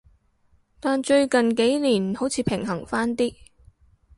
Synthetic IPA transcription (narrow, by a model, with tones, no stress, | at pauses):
t̪aː˨nt͡ʃɵ˧ɥkɐ˨nke˨˥jliː˨˩nho˨˥wt͡sʰiː˨˧pʰɪ˨˩ŋɦɐ˨˩ŋfaː˥nt̪iː˥